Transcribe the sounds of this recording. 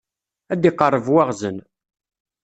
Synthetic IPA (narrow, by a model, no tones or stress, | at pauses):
æd̪iqːərˤːəvwaʁzən